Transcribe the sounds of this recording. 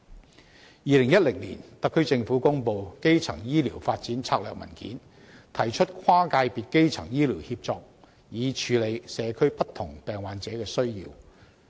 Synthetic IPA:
jiː˨˧lɪ˨˩ŋjɐ˥t̚lɪ˨˩ŋlḭː˨˩nt̪ɐ˨kʰːɵ˥ɥt͡sɪ˧ŋfuː˨˥kʊ˥ŋpo˨˧wke˥jt͡sʰɐ̰˨˩ŋjiː˥liː˨˩wfaː˧t̚t͡siː˨˥nt͡sʰaː˧k̚lœː˨k̚mɐ̰˨˩nkḭː˨˥n | t̪ʰɐ˨˩jt͡ʃʰɵ˥t̚kʰwaː˥kaː˧jpiː˨˧t̚ke˥jt͡sʰɐ̰˨˩ŋjiː˥liː˨˩whiː˧p̚t͡sɔː˧k̚ | jiː˨˧t͡ʃʰyː˨˧le˨˧jsɛː˨˧kʰɵ˥ɥpɐ˥t̪ʰʊ˨˩ŋpɛː˨ŋwaː˨˧nt͡sɛː˨˥kɛː˧sɵ˥ɥjḭː˧w

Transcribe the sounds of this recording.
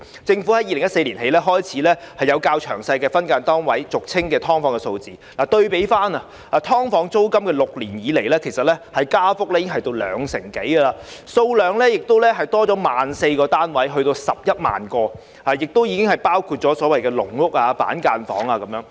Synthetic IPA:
t͡sɪ˧ŋfu˨˥hɐ˨˦ji˨˧lŋjɐ˥t̚se˧jliː˨˩nhe˨˧jlɛː˥ɦɔː˥jt͡sʰiː˨˥lɛː˥hɐ˨jɐ˨˧wkaː˧wt͡ʃʰœ̰ː˨˩ŋsɐ˧jkɛː˧fɐ˥nkaː˧nt̪ɔː˥ŋwɐ˨˥jt͡sʊ˨k̚t͡sʰɪ˥ŋkɛː˧t̪ʰɔː˥ŋfɔː˨˥ŋkɛ˧so˧wt͡siː˨laː˨˩t̪ɵ˧ɥpe˨˥jfaː˥nɐ˨ | aː˧t̪ʰɔː˥ŋfɔː˨˥ŋt͡so˥wkɐ˥mkɛː˧lʊ˨k̚liː˨˩njiː˨˧le˨˩jlɛː˥kʰe˨˩jsɐ˨t̚lɛ˥hɐ˨jkaː˥fʊ˥k̚lɛ˥jiː˨˥ɪ˥ŋɦɐ˨jt̪o˧wlœ̰ː˨˧ŋsɪ˨˩ŋke˨˥jɡə˧laː˧so˧wlœː˨˧ŋlɛː˥jɪ˨k̚t̪o˥wlɛ˥ɦɐ˨jt̪ɔː˥t͡sɔː˨˥maː˨nse˧jkɔː˧t̪aː˥nwɐ˨˥jɦɵ˧ɥt̪o˧wsɐ˨p̚jɐ˥t̚ma̰ː˨nkɔː˧ | aː˨˩jɪ˨k̚t̪o˥wjiː˨˧kɪ˥ŋhɐ˨˩jpaː˥wkʰuː˧t̚t͡ʃɔː˨˥sɔː˨˥wɐ˨jkɛː˧lʊ̰˨˩ŋŋʊ˥k̚aː˧pa̰ː˨˥nkaː˧nfɔ̰ː˨˥ŋaː˧kɐ˨˦mjœː˨˥ŋ

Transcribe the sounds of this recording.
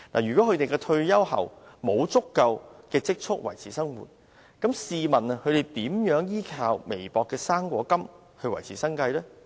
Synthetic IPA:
naː˨˩ɥyː˨kwɔː˨˥kʰɵ˧t̪e˨jkɛː˧t̪ʰɵ˧ɥjɐ˥whɐ̰˨wmo˨˧wt͡sʊ˥kːɐ˧wkɛː˧t͡sɪ˥k̚t͡ʃʰʊ˥k̚wɐ̰˨˩jt͡sʰiː˨˩sɐ˥ŋwṵː˨˩t̚ | kɐ˨˥msiː˨˧mɐ˨˩na˨kʰɵ˨˧t̪e˨jt̪iː˨˥mjœː˨˥ŋjiː˥kʰaː˧wme˨˩jpɔː˨kːɛː˧saː˥ŋkʷɔː˨˧˥kɐ˥m | hɵ˧ɥwɐ˨˩jt͡sʰiː˨˩sɐ˥ŋkɐ˧jlɛː˥

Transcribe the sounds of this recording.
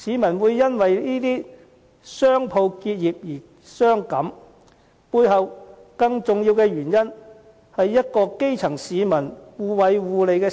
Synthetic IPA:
siː˨˧mɐ˨˩nwuː˨˧jːɐ˥nwɐ˨jniː˥t̪iː˥ | sœː˥ŋpʰo˧wkiː˧t̚jiː˨p̚jiː˨˩ | sœː˥ŋkɐ˨˥m | puː˧jɦɐ˨wkɐ˧ŋt͡sʊ˨ŋjiː˧wkɛː˧ɥyː˨˩njɐ˥n | hɐ˨jːɐ˥t̚kɔː˧ke˥jt͡sʰɐ˨˩ŋsiː˨˧mɐ˨˩nwuː˨˧wɐ˨˧jwuː˨˧le˨jkɛː˧

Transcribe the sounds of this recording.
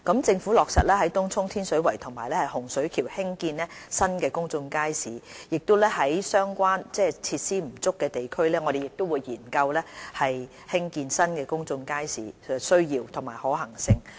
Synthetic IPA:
kɐ˨˥mt͡sɪ˧ŋfu˨˥lɔː˨k̚sɐ̰˨t̚lɛː˥ɦɐ˨˥jt̪ʊ˥ŋt͡sʰʊ˥ŋt̪ʰiː˥nsɵ˨˥ɥwɐ˨˩jt̪ʰʊ˨˩ŋmaː˨˩jlɛː˥hɐ˨˩jhʊ˨˩ŋsɵ˨˥ɥkʰiː˨˩whɪ˥ŋkiː˧nɛː˥sɐ˥nkɛː˧kʊ˥ŋt͡sʊ˧ŋkaː˥jsiː˨˥jɪ˨k̚t̪o˥wlɛː˥hɐ˨˥jsœː˥ŋkʷwaː˥nt͡sɛː˥˩t͡sʰiː˧t̚siː˥m̩˨˩t͡sʊ˥kːɛː˧t̪e˨jkʰɵ˥ɥlɛː˥ŋɔː˨˧ɾe˨jɪ˨˩k̚t̪o˥wuː˨˧jːiː˨˩nkɐ˧wlɛː˥hɐ˨j | hɪ˥ŋkiː˧nsɐ˥nkɛː˧kʊ˥ŋt͡sʊ˧ŋkaː˥jsḭː˨˥˨sɵ˥ɥjiː˧wt̪ʰʊ˨˩ŋma̰ː˨˩jhɔː˨˥ɦɐ˨˩ŋsɪ˧ŋ

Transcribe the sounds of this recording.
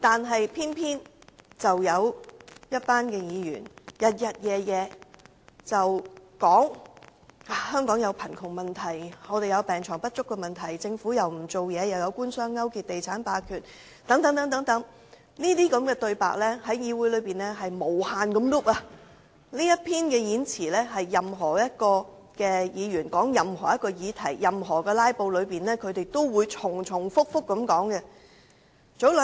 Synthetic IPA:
t̪aː˨nɦɐ˨jpʰiː˥npʰiː˥nt͡sɐ˨wjɐ˨˧wjɐ˥t̚paː˥nkɛː˧jiː˨˧ɥyː˨˩njɐ˨t̚jɐ˨t̚jɛː˨˧jɛː˨˧ | t͡sɐ˨wkɔː˨˥ŋ | aː˨˩hœː˥ŋkɔː˨˥ŋjɐ˨˧wpʰɐ˨˩nkʰʊ˨˩ŋmɐ˨nt̪ʰɐ˨˩jŋɔː˨˧t̪e˨jɐ˨˧wpɛː˨ŋt͡ʃʰɔː˨˩ŋpɐ˥t̚t͡ʃʊ˥kːɛː˧mɐ˨nt̪ʰɐ˨˩jt͡sɪ˧ŋfuː˨˥jɐ˨wm̩˨˩t͡so˨wjɛː˨˧jɐ˨wjɐ˨˧wkuː˥nsœː˥ŋːɐ˥wkiː˧t̚t̪e˨jt͡sʰaː˨˥npaː˧kʰyː˨˩t̚ | t̪ɐ˨˥ŋt̪ɐ˨˥ŋt̪ɐ˨˥ŋt̪ɐ˨˥ŋt̪ɐ˨˥ŋ | niː˥t̪iː˥kɐ˨˧˥mkɛː˧t̪ɵ˧ɥpa̰ː˨k̚lɛː˥hɐ˨˥jjiː˨˧wuː˨˥jlɵ˨˧ɥpiː˨nɛ˥ɦɐ˨jmo˨˩whaː˨nkɐ˨˥mlʊ˥p̚aː˧ | niː˥jɐ˥t̚pʰiː˥nkɛː˧jiː˨˥nt͡sʰiː˨˩lɛː˥ɦɐ˨jːɐ˨˩mɦɔː˨˩jɐ˥t̚kɔː˧ | kɛː˧jiː˨˧ɥyː˨˩nkɔː˨˥ŋjɐ˨˩mɦɔː˨˩jɐ˥t̚kɔː˧jiː˨˧t̪ʰɐ˨˩jːɐ˨mɦɔː˨˩kɛː˧laː˥jpo˧wlɵ˨˧ɥpiː˨nlɛː˥kʰɵ˨˧ɥt̪e˨jt̪o˥wwuː˨˧jt͡ʃʰʊ˨˩ŋt͡ʃʰʊ˨˩ŋfʊ˥k̚fʊ˥k̚ːɐ˨˧˥mkɔː˨˥ŋkɛ˧ | t͡so˨˥wl

